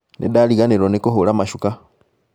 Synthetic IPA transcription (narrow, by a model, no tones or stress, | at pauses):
nʔḭdaliɣaniɾonikuɦulamaʃuka